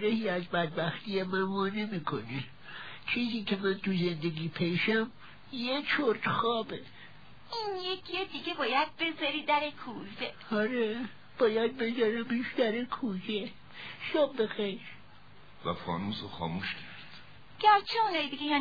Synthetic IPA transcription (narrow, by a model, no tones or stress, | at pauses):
ɾehiːæzbæd̪̚bæxt̪ʰiːemæmɒːnemiːkʰone | t͡ʃʰiːziːcʲʰe̞mænt̪ʰuze̞nd̪eɡiːpʰejʃæm | jet͡ʃʰoɾd̪̥xɒːbe | injekʰjed̪iɡebɒːjæd̪̥̚be̞zɒɾiːd̪æɾekʰuze | ɒɾe | b̥ɒːjæd̪̚be̞zɒɾæmiʃd̪æɾekʰuze | ʃɒːbbexejɾ | væ̰fɒ̰ːnuːzoxɒ̰ːmuːʃcʰæɾd̪̥ | ɡ̥æɾt͡ʃʰeunɒːjid̪iɡʲejɒ